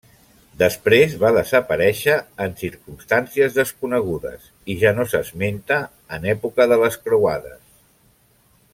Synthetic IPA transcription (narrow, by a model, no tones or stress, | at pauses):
d̪əspɾezβaðəzəpəɾɛʃəːnsiɾkumst̪ansiəzðəskunəɣ̞uðə̰s | iʒanosəzment̪əː | nɛpukəðələskɾuwaðə̰s